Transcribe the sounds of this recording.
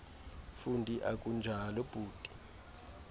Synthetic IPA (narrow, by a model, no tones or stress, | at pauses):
fundʱʼiʔak̬ʼund͡ʒʱalɔb̥ʱuːd̥ʼʱi̥